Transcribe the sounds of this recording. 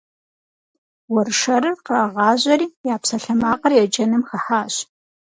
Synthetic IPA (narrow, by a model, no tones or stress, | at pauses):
wɐrʂɐɾɨrqraːʁɑːʑɐɾiːjaːpsɐɬɐmaːqɐrjɛd͡ʒɐnɨmxɐħaːɕ